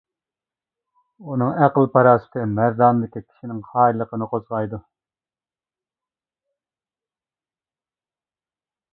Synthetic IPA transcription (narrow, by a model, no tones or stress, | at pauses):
unɨŋæqəlˠpʰɑɾɑːsɨ̥t̪ʰɨmæɾd̪ɑːnd̪ɪkʲikʲʰi̥ʃinɪŋχɑːjlˠːəqənɨqʰozʁɑjd̪u